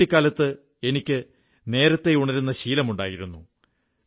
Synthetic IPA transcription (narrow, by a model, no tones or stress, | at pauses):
ikʲːaːlɐt̪ːɨ | e̞nikʲːɨ | ne̞ːɾɐt̪ːe̞uɳɐɾunːɐɕiːlɐmuɳɖa̰ːjiɾunːu